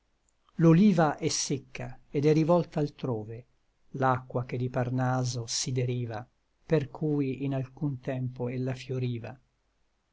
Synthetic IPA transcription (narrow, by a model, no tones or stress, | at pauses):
loliːvaʔɛsːekːaed̪ɛrivɔlt̪aːlt̪ɾoːve | lakːwak̟ed̪iparnaːzosid̪eɾiːva | perkʰuːjinalkunt̪ɛmpoelːafjoɾiːva̰